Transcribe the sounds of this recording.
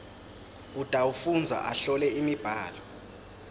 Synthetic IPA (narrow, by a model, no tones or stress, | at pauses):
utʼaufund͡zʱa̰ʔaɬɔlɛimib̥ʱaːlɔ